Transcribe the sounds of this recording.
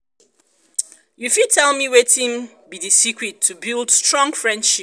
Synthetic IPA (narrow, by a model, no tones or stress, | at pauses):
jufid̚tʰɛlˠmiwetĩŋ | bidisikɹitʰːubilˠdstɹɔ̃ŋfɹɛ̃nd̥ʃi